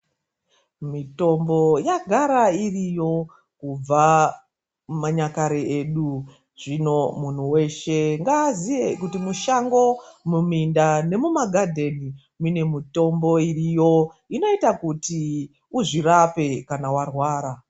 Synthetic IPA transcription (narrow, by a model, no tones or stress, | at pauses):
mito̞mbo̞jaɡʱaɾairijo̞ | kub͡va | maɲakaɾeeɗu | ʐ̥ino̞mun̤uwe̞ʃe̞ŋɡaːzije̞kutimuʃaŋɡo̞mumindane̞mumaɡʱadʱe̞ni | mune̞mito̞mbo̞irijo̞ | ino̞itakuti | uʐirape̞kanawarwaːɾa